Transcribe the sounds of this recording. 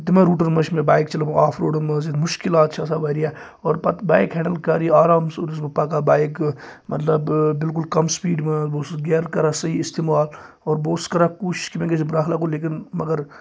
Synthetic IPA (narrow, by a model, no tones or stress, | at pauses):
t̪imẽɾuːʈəɾmɐʃmẽbaːjkt͡ʃɐlɐmaːpʰɾoːɽəmɐzid̪mʊʃkɪlaːt̪t͡ʃʰɐsaʋɐɾija | ɔːɾpɐt̪baːjkɦɛɳɖəlkaːɾiaːɾaːmsoːɾis̬mepɐkabaːjkmɐ̰t̪lɐbbɪlk̬ulkɐmspiːɖmɐ̃boːsɡeːɾkɐɾasɐɦiːst̪eːmaːl | ɔːɾboːskɐɾakuːʃʃkimẽkesbɾaːkʰlaːkoleːk̬inmɐɡəɾ